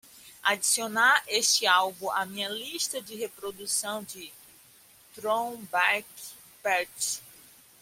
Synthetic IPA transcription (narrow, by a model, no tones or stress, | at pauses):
ad͡ʒisionaʔeʃt͡ʃɪawbũʔamĩɲɐliʃt̪ɐd͡ʒɪɦepɾod̪usɐ̃w̃d͡ʒɪ | t̪ɾõbak | pɛɾt͡ʃ